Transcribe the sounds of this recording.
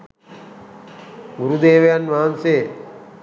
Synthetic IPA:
ɡuɾud̪eːʋejanʋaːanseː

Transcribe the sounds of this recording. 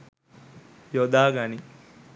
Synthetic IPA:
jod̪aːɡani

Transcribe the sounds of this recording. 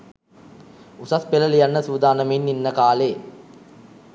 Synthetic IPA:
usaspeləlijanːəsuːd̪aːnəmenːinːəkaːleː

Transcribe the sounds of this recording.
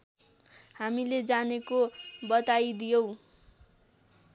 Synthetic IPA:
hamiled͡zanekobʌt̪ajd̪ijow̃

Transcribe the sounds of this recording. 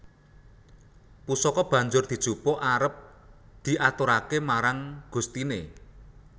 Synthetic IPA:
pusɔkɔb̥ä̤ɲd͡ʒʊrd̪̥i̤d̥ʒ̥ṳpɔʔaɾəp̚ | d̪̥i̤ʔat̪oɾakemaɾaŋɡ̥ṳst̪ine

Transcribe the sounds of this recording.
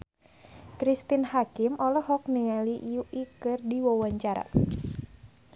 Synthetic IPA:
kɾist̪inhakɪmɔlɔhɦɔk̚niŋaliʔjuʔikɨrdiwɔwaɲt͡ʃaɾa̰

